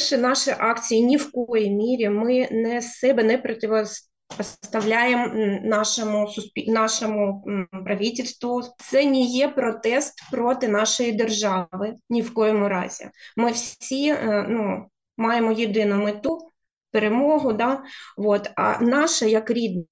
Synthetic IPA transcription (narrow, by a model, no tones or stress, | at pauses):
ʃɛnɑʃɛʔɑkt͡sʲijinʲiwkɔjimʲiɾʲimɪnɛsɛbɛnɛpɾɔtʲɪʋɔ | ɔsst̪ɐʋlʲajemnɑʃɔmʊsʊspʲinɑʃɔmʊpɾɐʋʲitʲɪlʲst̪ʋʊt̪sɛnʲijɛpɾɔt̪ɛst̪pɾot̪ɪnɑʃɔjid̪erʒɑʋɪnʲiwkɔjɔmʊɾɑ̰zʲḭmɪwsʲinu | mɑjemɔjɪd̪ɪnʊmɪt̪u | peɾemɔɦʊd̪ɑʋot̪ɐ̰nɑʃɐjɐkɾʲid̪̚n